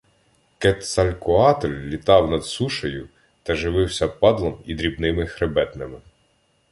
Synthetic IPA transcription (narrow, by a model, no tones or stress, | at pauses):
kɛt̪sɐlʲkʊɑt̪ɔlʲːit̪ɑwnɐd̪suʃɐjʊ | t̪ɐʒɪʋɪwsʲɐpɑd̪lˠɔmid̪ɾʲibnɪmɪxɾebɛt̪nɪmɪ